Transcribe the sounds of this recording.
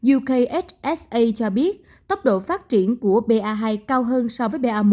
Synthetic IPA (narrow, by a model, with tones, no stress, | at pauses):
zu˧kə˧jʔe˦˥t͡ɕʔɛ˦˥sʔə˧jt͡ɕɔ˧ɓi˦˥ət̚ | t̪ə˦˥wk͡p̚ɗo̰˧˨faː˦˥t̚t͡ɕi˧˩ənku˧˩əɓe˧ʔaː˧ɦaː˧jkaː˧wɦəː˧nsɔ˧vəː˨˦jɓe˧ʔaː˧mo˨˩˦